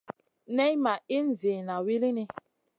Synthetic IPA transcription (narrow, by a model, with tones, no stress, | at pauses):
nɛ˦jma˨i˦n̩˨ze˨na˨wi˦li˦ni˦